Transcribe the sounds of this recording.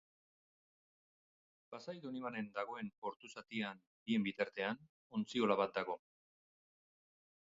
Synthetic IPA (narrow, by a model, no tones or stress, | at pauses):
pasajd̪uniβane̞nd̪aɣ̞o̞e̞no̞ɾt̪usat̪ian | bie̞mbit̪aɾt̪e̞an | ont͡sio̞laβat̪̚d̪aɣ̞o̞